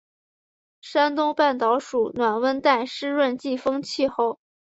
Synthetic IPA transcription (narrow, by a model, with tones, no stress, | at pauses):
ʂa˥nt̪ʊ˥ŋpa˥˩nt̪ɑ˧˥ʊʂu˨˩nwa˨˩nwə˥nt̪a˥˩ɪʂɻ̩˥ɻwə˥˧nt͡ɕi˥˩fɤ˥ŋt͡ɕʰi˥˧xo˥˩ʊ